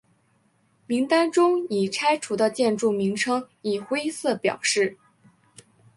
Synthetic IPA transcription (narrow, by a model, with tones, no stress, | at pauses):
mi˧˥ŋt̪a˥nʈ͡ʂʊ˥ŋi˨˩ʈ͡ʂʰa˥ɪʈ͡ʂʰu˧˥d̪ə˧t͡ɕjɛ˥˧nʈ͡ʂu˥˩mi˧˥ŋʈ͡ʂʰɤ˥ŋ | i˨˩xwe˥ɪsɤ˥˩pjɑ̰˨˩ʊʂɻ̩˥˩